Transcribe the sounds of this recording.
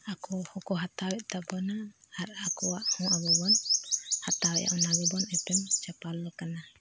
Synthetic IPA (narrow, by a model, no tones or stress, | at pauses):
akɔhɔkɔɦat̪awɛʔt̪abɔnaaɾakɔwaʔhɔ̃ʔabɔbɔnhat̪awɛʔa̰ʔɔnaɡɔbɔnɛpɛmt͡ʃapalːɔkana